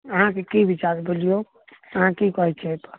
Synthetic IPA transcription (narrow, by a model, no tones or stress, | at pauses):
əɦãkekibʱit͡ʃaɾbolijo | əɦãkikɔɦɛt͡ʃʰɛt̪ɔ